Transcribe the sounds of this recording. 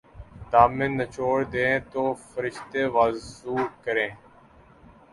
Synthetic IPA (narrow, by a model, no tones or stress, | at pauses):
t̪aːmɪ̃nːət͡ʃoːɾd̪ẽːt̪oːfəɾɪʃt̪eːʋaːzuːkəɾẽː